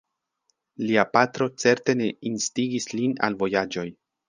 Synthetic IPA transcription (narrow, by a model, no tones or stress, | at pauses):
liapatɾo̞t͡se̞ɾte̞ne̞instiɡislina̰lvo̞jad͡ʒo̞j